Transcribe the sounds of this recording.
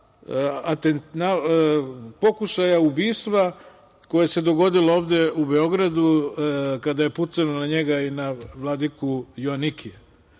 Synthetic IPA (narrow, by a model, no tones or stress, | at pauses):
at̪enna | po̞kuʃajaubiːst̪ʋa | ko̞jese̞d̪o̞ɡo̞d̪ilooːʋd̪e̞ube̞o̞ɡɾad̪u | kad̪aje̞put̪sanonaɲe̞ɡainaʋlˠad̪ikujoaniki